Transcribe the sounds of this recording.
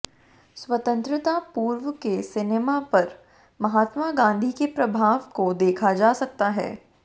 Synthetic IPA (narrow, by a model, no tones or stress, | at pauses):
swɐt̪ə̃nt̪ɾɪt̪apuːɾʋəkesɪnemapɐɾ | mɐɦaːt̪maɡãːnd̪ʱikepɾɐbʱaːʋkod̪eːkʰad͡ʒaːsɐk̚t̪aɦɛ̰ː